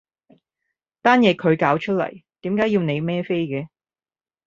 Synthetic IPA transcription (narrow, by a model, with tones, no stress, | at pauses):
t̪aː˥njɛː˨˧kʰɵ˨˧ɥkaː˨˥wt͡ʃʰɵ˥t̚lɐ̰˨˩jt̪iː˨˥mkaː˨˥jiː˧wne˨˧jmɛː˥fe˥jkɛː˨˧